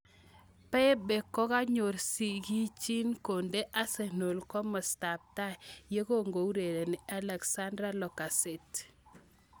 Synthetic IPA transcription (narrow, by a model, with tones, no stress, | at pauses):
pɛ˦be˨kːɔ˦ka˦ɲo˨ɾsi˨ki˦t͡ʃi˦nko˨nde˦ʔa˦se˨no˨lkɔ˦mɔ˨sta˨p̚ta˦˨je˦ko˦ŋɡo˨u˦ɾe˨ɾe˨nɪ˨a˦lɛ˨ksa˦ndɾa˦lɔ˨ka˨se˨t